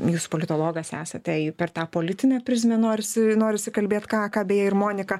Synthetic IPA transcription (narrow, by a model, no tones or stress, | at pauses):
juːspoːlʲɪt̪oːlˠoːɡɐsæːsɐt̪ʲɛɪpʲɛrt̪ɑːpoːlʲɪt̪ʲɪnʲɛːpʲɾʲɪz̬ʲmʲɛnoːɾʲɪsʲɪnoːɾʲɪsʲɪkɐlʲbʲeːt̪kɑːkɑːbʲeːjɛɪrmoːnʲɪkɐ